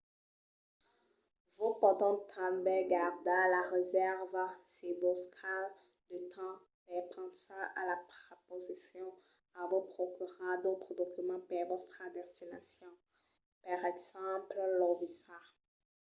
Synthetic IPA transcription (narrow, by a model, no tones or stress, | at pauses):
vopɔ̃t̪ɑ̃t̪ʰãlbɛɡaʁd̪alaʁezɛʁvsevoskal | d̪ət̪ʰɑ̃ | bɛpɑ̃saʔalapʁepozisjɔ̃ | ãvopχokʲyʁad̪ot̪χəd̪ɔkymɑ̃pɛvɔst̪χad̪ɛst̪inasjɔ̃ | paʁɛɡz̥ɑ̃pllɔvisa